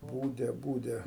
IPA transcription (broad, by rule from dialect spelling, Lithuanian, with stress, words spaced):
ˈbuːdʲɛ ˈbuːdʲɛ